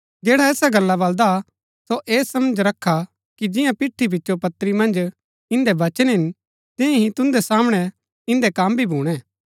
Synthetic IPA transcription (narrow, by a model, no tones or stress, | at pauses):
d͡ʒeːɽaɛːsaɡɐlːabɐld̪a | soʔeːsɐməd͡ʒɾɐkʰːa | kid͡ʒɪ̃jãpɪʈʰːib̬ɪtːʃopɐt̪ːɾimɐ̃nd͡ʒ | ɪ̃nd̪ɛʋɐt͡ʃənɦɪ̃n | t̪ɪ̃ẽɦĩt̪ʊ̃nd̪ɛsaːmɽ̃ɛ | ɪ̃nd̪ɛkaːmbʱibʱuːɽ̃ɛː